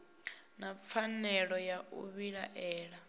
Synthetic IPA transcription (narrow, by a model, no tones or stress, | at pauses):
nap̪fʰanɛɺɔjaṵβiɺa̰ʔɛːɺa